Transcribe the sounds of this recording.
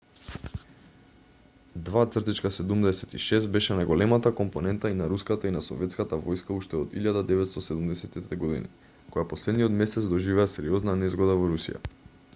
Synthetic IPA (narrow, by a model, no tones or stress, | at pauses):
d̪vat̪sr̩t̪it͡ʃkasɛd̪umd̪ɛsɛ̥t̪iʃɛst̪̚bɛʃɛnajɡolɛmat̪akɔmpɔnɛnt̪ainaɾuskat̪ainasɔ̰vɛt̪skat̪avɔjskauʃt̪ɛɔd̪iʎad̪ad̪ɛvɛt̪st̪ɔsɛd̪umd̪ɛsɛt̪it̪ɛɡɔd̪ḭnḭ | kɔjapɔslɛd̪nijɔt̪mɛsɛt̪sd̪ɔʒivɛːsɛɾiɔznanɛzɡɔd̪avɔɾusḭja̰